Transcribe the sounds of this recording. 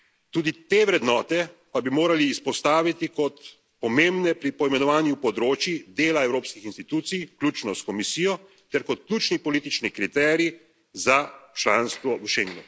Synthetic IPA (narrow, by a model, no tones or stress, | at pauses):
t̪uːd̪it̪eʋɾɛd̪nɔːt̪ɛpabimoːɾaliːspɔst̪aːʋit̪ikɔt̪ | pɔmembnɛpɾipɔjmɛnɔʋaːnjupɔd̪ɾoːt͡ʃjid̪eːlaɛwɾoːpskixinst̪it̪uːt̪sijklʲuːt͡ʃnɔskɔmisiːjɔ | t̪ɛɾkɔt̪̚klʲjuːt͡ʃnipɔliːt̪it͡ʃnikɾit̪ɛːɾi | zat͡ʃlaːnst̪ʋɔuʃeŋɡnu